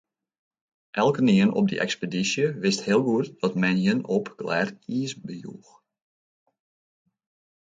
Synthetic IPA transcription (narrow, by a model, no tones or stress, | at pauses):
ʔɛlˠkəniənɔ̰b̚də̰ʔɛ̰kspedisjəʋɪsthɪəlˠɡuətdɔtmɛnjənɔpɡ̥lɛ̰ːriəsbəjṵːx